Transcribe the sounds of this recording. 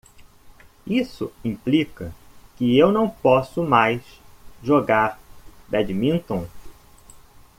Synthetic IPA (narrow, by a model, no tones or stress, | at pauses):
isʊĩplikɐ̰kɪewnɐ̃w̃pɔsʊmajsʒoɡaɾb̪ɛd͡ʒmĩnt̪õ